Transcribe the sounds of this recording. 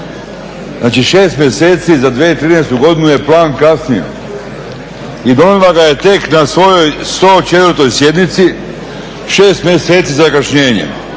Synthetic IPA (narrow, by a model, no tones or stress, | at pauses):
zaːt͡ʃiʃe̞ːst̪mjese̞ːt̪sizad̪ʋjeit̪ɾiːneːst̪uɡo̞d̪inuje̞plˠaːnkasnijḛ | id̪o̞nilˠaɡaje̞t̪e̞knasʋo̞jo̞jst̪o̞ːt͡ʃe̞t̪vəɾt̪o̞jsje̞d̪nit̪si | ʃe̞ːst̪mʲjese̞ːt̪sizakat͡ʃɲe̞ːɲḛ